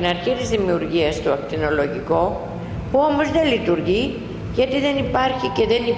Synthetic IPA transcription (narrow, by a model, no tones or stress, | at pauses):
inɐɾçit̪izðimiuɾʝiɐst̪uɐkt̪ino̞lo̞ʝiko̞ | puo̞mo̞zðe̞lit̪uɾʝi | ʝɐt̪iðe̞nipɐɾçice̞ðe̞ni